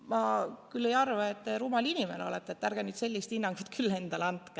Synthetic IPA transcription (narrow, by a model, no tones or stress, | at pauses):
mɑkylːejɑrvɑet̪ːeɾuːmɑlinimeno̞̰let̪ːˑeet̪ːærɡ̥enyːt̪se̞lʲːist̪inːɑŋɡ̥ut̪ˑkʰylːe̞nd̪̥ɑlɑnt̪ke